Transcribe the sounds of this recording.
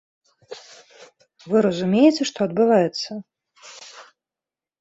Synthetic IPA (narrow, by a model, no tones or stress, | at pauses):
vɨɾɐzumʲejɪt͡sʲɛʂt̪ɔɐd̪̚bɨvajɛt̪sːɐ